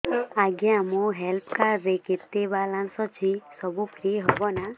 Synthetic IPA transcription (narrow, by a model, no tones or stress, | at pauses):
aɡɛamũɦelpʰkaɾːeket̪ːebalansɔt͡ʃʰisɔbupʰɾiɦɔbɔna